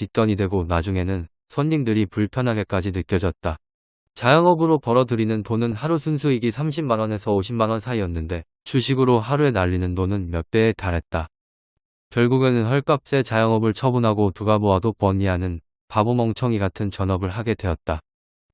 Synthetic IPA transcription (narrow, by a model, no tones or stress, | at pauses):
t͡ɕit͈ʌɲidwe̞ɡonad͡ʑuŋe̞nɯn | sʰʌnːiŋdɯɾipuɭpʰjʌnɦaɡe̞k͈ad͡ʑinɯk͈jʌd͡ʑʌt̚t͈a | t͡ɕajʌŋʌbɯɾopʌɾʌdɯɾinɯntonɯnhaɾusʰunsʰuiɡisʰamɕ̬ʰimmanʌne̞sʰʌoɕʰimanʌnsʰaiʌnːɯnde̞ | t͡ɕuɕʰiɡɯɾoɦaɾue̞naʎːinɯntonɯnmjʌt͈e̞ːtaɾɦe̞t̚t͈a | kjʌɭɡuɡe̞nɯnɸʌɭk͈ap̚s͈e̞t͡ɕajʌŋʌbɯɭt͡ɕʰʌbunɦaɡotuɡaboadopwʌniɦanɯn | pabumʌŋt͡ɕʰʌŋiɡatʰɯnt͡ɕʌnʌbɯɭɦaɡe̞dwe̞ʌt̚t͈a